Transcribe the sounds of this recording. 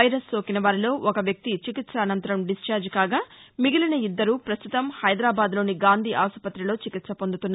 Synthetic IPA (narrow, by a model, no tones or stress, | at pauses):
ɐjɾɐsːoːkinɐʋaːɾilo̞ːʔɔkɐʋjɐk̚t̪it͡ʃikit̪sɐːnɐnt̪ɐɾɐmɖist͡ʃaːɾd͡ʒkaːɡaːmiɡilɐnɐid̪ːɐɾuːpɾɐst̪ut̪ɐmhɐjd̪ɾaːbaːd̪lo̞ːniɡaːnd̪ʱiːʔaːsɐpɐt̪ːɾilo̞ːt͡ʃikit̪sɐpo̞nd̪ut̪unː